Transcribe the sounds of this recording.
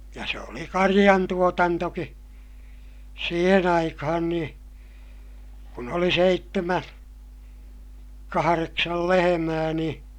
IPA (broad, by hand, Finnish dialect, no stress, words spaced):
jɑ se oli kɑrij̆ɑntuotɑntoki siːhen ɑikɑhɑn niː kun oli seitːemæ kɑhɑreksɑl lehemæː niː